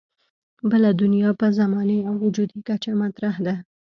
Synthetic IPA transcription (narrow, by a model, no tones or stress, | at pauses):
bəlad̪ʊnjɑpəzamɑneawʊd͡ʒud̪ikat͡ʃamat̪ɾahd̪a